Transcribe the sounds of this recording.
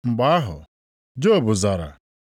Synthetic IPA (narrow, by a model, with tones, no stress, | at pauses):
ŋ͡m̩˨ɡ͡ba˦a˦ɦʊ̰˨ | d͡ʒo˦˨bʊ˨za˨ɾa̰˨